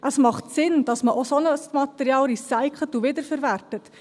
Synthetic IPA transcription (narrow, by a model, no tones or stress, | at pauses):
ʔəsmɑχtsɪnd̥ɑsməʔosonəsmɑtɛɾiɑːlɾisæɪkχlətuvɪdəɾfəɾværtət